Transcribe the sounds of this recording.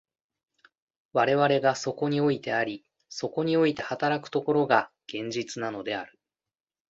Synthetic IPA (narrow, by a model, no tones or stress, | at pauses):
βaɾe̞βaɾe̞ɡaso̞ko̞ɲ̟io̞it̪e̞aɾʲi | so̞ko̞ɲ̟io̞it̪e̞hat̪aɾakɯ̟̥t̪o̞ko̞ɾo̞ɡa | ɡ̥ẽ̞ɲ̟d͡ʑit͡sɨnano̞d̪e̞aɾɯ̟